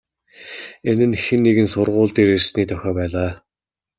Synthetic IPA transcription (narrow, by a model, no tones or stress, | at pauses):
enɘ̆nxĕnːeɣɘ̆nsʊrʁʊːɮt̪iːɾersniːt̪ʰœxʲɔːpæːɮaː